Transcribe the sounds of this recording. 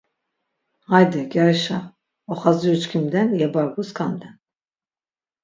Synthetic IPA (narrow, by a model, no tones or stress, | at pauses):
hajd̪ɛɡʲaɾiʃa | ɔχazijut͡ʃkʰimd̪ɛnjɛbaɾɡuskʰamd̪ɛn